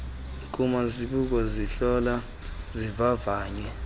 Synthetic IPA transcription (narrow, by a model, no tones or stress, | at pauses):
k̬ʼumaziɓuk̬ɔziɬɔla | zivavaːɲɛ